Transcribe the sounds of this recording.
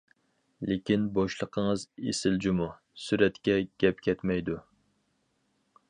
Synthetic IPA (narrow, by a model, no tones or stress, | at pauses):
lekʲinboʃlˠəqʰəŋəzḛsɪld͡ʒimu | syɾɛt̪kʲɛɡʲɛpkʲʰɛt̪mɛjd̪u